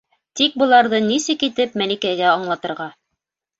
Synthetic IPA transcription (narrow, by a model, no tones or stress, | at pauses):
t̪ik̚bɤ̆lˠɑɾðɤnisɘkit̪ɘp̚mælikæjɡæɑɴlˠɑt̪ɤ̆ɾʁɑ